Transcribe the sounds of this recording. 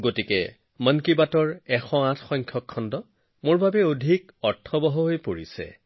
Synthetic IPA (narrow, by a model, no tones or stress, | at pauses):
ɡotikɛ̰ | mənkibatɔɹɛxɔ̃ãtʰxɔŋkʰjɔkʰːɔndɔ | moɹbʱabɛodʱik | ɔɹtʰːɔbɔɦɔɦojpoɹḭsɛ̰